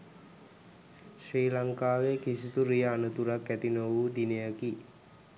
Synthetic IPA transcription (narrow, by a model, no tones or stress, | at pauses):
ʃriːlaŋkaːʋekisit̪uɾijəːnət̪uɾakːæt̪inoʋuːd̪inejaki